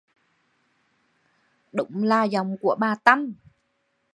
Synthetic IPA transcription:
ɗʊ̰˧˥ŋ͡mlaː˧˩za˨˩wŋ͡mku˧˩əɓaː˨˩t̪a˧˩m

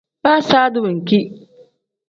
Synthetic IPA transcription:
ba˦saː˦dʊ˦bŋ̩˨kʲi˦

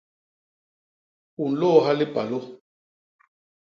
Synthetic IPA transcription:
u˨n̩˨lɔː˦˨ɦa˦li˦pa˨lo˦

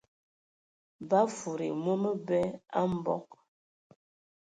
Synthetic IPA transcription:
ba˦fu˨ɾḭ˨mo˦mə˦bɛ˦a˦m˦bɔ̰˦k̚

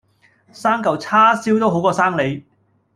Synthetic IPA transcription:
saː˥ŋkɐ˨˩wt͡sʰaː˥siː˥wt̪o˥wɦo˨˥wkɔː˧saː˥ŋle˨˥j

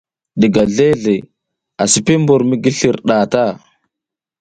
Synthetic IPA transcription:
ɗi˨ɡa˨ɮe˦ɮe˨ | a˨si˨pi˦mbu˨ɾmi˦ɡi˦ɬi˨ɾɗa˨ta˦˨

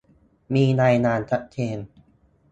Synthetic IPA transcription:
miː˧na˧jnaː˧nt̪ʰa˦˥ʔt̪ʰeː˧n

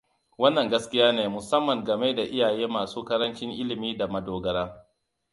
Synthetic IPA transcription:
wɐ˦nːɐ˨ŋɡɐ˦skʲɪ˦jaː˦neː˨mʊ˨sɐ˦mːɐ˨ŋɡɐ˨me˦da˨ʔɪ˦jaː˨jeː˦maː˨suː˦kɐ˦ɾɐ˦nt͡ʃɪ˦ŋʔɪ˦lɪ˨miː˦da˨mɐ˦doː˨ɡɐ˦ɾaː˦

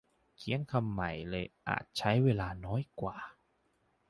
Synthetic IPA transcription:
kʰi˦əŋkʰa˧mːa˨˩jlɤː˧jʔa̰ː˨˩t̪̚t͡ɕʰa˦˥jweː˧laː˧nɔː˦˥jkwa̰ː˨˩

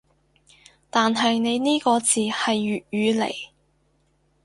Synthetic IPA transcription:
t̪aː˨nɦɐ˨jne˨˧jniː˥kɔː˧t͡siː˨hɐ˨jːyː˨t̚yː˨˧lḛ˨˩j

